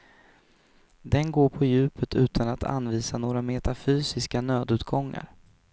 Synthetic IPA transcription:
d̪ɛnɡoːɾpʰɔjʉ̟ːpʰət̪ʰʉ̟ːt̪ʰanat̪ʰa̰nviːsanoːɾamɛt̪afyːsɪskanøːd̪ʉ̟ːt̪ɡɔŋːa̰ɾ

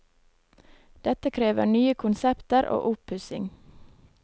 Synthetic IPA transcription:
d̪̥ɛt̪əkʰɾeːʋə̰ɳyːəkʰʊnsɛpt̪əɾʔo̰ːʔʊpʉsɪŋ

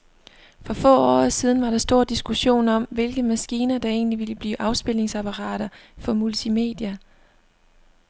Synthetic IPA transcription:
fɒ̽fɔ̰̽ːɒ̰ːsið̞ˠn̩ʋɑ̈ɾ̥ɑ̈sd̥o̝ɐ̰d̥isɡ̥uɕo̝̰ːnɒ̽m̰ʋe̝lɡ̥əmæsɡ̥iːnɐd̥ɑ̈e̝̰ːnliʋiləb̥liːʔɑ̈ʊsb̥e̝l̰e̝ŋsæpʰɑʁɑ̈ːɾ̥ɐfɒ̽mult͡sʰime̝̰ːd̥jɐ

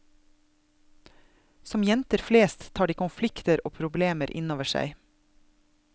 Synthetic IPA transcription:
sɔmjɛnt̪əɾfleːst̪ʰːɑːɖiːkʊnflɪkt̪əɾʔoːpʰɾʊbleːməɾʔɪ̰noːʋəʃæ̰ɪ

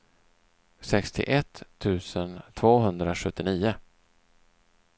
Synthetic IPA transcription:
sɛkst̪ʰɪ̰ʔɛt̪ʰːʉ̟ːsənt̪ʰvoːɦɵnd̪ɾaɧɵt̪ːɪniːʊ

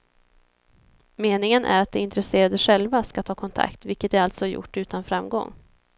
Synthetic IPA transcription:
meːnɪŋənʔæ̰ɾat̪̚d̪ɛɪnt̪ɾɛseːɾad̪əɧɛlvaskat̪ʰɑːkʰɔnt̪ʰa̰kt̪vɪlkət̪æɾalt̪sɔjʊ̰ʈːʉ̟ːt̪anfɾamɡɔ̰ŋː

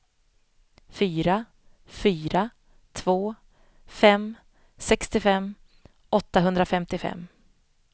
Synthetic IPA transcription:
fyːɾa | fyːɾa | t̪ʰvoː | fɛm | sɛkst̪ɪfɛmː | ʔɔt̪ːaɦɵnd̪ɾafɛmt̪ɪfɛ̰mː

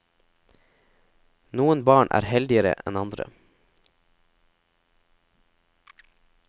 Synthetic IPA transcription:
nuːənbɑːɳʔæ̰ːɾhɛld̪ɪəɾə̰ʔɛnɑnd̪ɾə̰

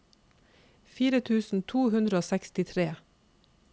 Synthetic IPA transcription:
fiːɾət̪ʰʉːsn̩t̪ʰuːhʉnd̪ɾəoːsɛkst̪ɪt̪ʰɾeː

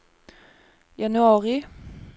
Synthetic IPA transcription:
jɑnʉɑːʁɪ

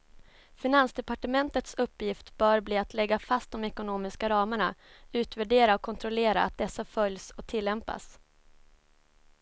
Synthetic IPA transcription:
fɪnansd̪ɛpaʈəmɛnt̪ət̪sɵpːjɪft̪b̥œːɾbliːat̪ʰlɛɡːafast̪̚d̪ɔmɛkʊnoːmɪskaɾɑːməɳaʉ̟ːt̪væɖeːɾaɔkʰːɔnt̪ʰɾɔleːɾa̰a̰t̪̚d̪ɛsːafœljsɔk̚t̪ʰɪlːɛmpa̰s

